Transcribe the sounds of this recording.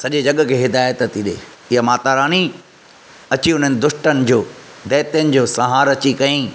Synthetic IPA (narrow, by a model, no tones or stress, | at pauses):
sɐʄed͡ʑɐɠkʰeːɦɪd̪aːjət̪t̪ʰiɗḛː | ɪɦəmaːt̪aːɾaːni | ɐt͡ɕiʊn̤ənɪ̆d̪ʊʃʈənɪ̆d͡ʑoːd̪ɛːt̪jənɪ̆d͡ʑoːsɐɦaːɾɐt͡ɕikɐĩː